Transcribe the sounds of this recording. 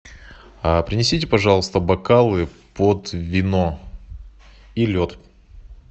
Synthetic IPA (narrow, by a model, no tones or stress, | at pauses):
apɾʲɪnʲɪsʲitʲɪpɐʐɑlˠəst̪əbɐkalˠɨpəd̪vʲɪno | ilʲot̪